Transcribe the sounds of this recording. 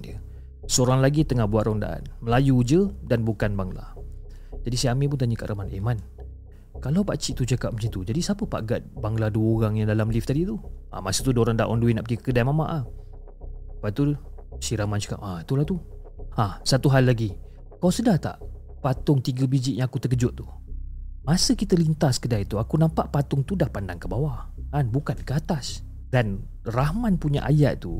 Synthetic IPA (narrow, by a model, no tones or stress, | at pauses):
ə | səoɾaŋlaɡit̪əŋahbuat̪rɔnda̰ʔa̰nməlajud͡ʒədanbukanbaŋla̰ | d͡ʒadisajamip̬ʊnt̪aɲəka̰ʔɾʔamanemãn | kalawpat͡ʃiʔt̪ut͡ʃakap̚mət͡ʃant̪ud͡ʒadisapəpa̰ʔɡat̪̚baŋladuəoɾaŋjaŋdalamlift̪adit̪uʔa̰masut̪udoɾaŋda̰ʔɔ̰nduwina̰ʔpəkikə̥kədajmama̰ʔah | pat̪u | siɾamant͡ʃə̥ka̰p̚at̪ulaht̪u | asat̪uɦalːaɡi | kaawsədaht̪a̰ʔ | pat̪ʊŋt̪iɡəbid͡ʒɪʔjãŋakut̪əkəd͡ʒʊʔ̚t̪u | masəkit̪əlint̪askədajit̪uakunampaʔpat̪ʊŋt̪udahpandaŋkəbawakanbukankəat̪as | dan | rahmãnpuɲa̰ʔa̰jaʔ̪̚t̪u